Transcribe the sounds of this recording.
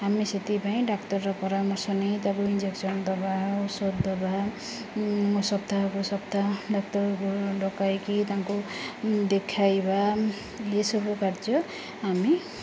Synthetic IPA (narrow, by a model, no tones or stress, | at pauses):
ɦamiset̪ipaĩɖaktʌrːʌpɔɾamʌsʌnejt̪abuind͡ʒeksʌnd̪ɔbausod̪ɔba | sʌbd̪ʱakosʌb̚d̪ʱaɖak̚tʌɾkoɖɔkajkit̪ãkod̪ekʰajba | lesʌbokard͡zʌ | ɦami